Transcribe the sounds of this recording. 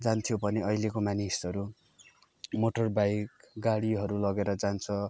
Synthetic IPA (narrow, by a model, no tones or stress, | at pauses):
d͡zant̪ʰijobʱʌneʌjlekomanisʌɾu | moʈʌrbajkɡaɽiɦʌɾulʌɡeɾʌd͡zant͡sʰʌ